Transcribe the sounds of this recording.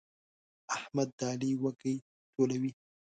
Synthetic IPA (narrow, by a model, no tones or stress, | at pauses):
ahmad̪ːɑliwakəj | tʰolawi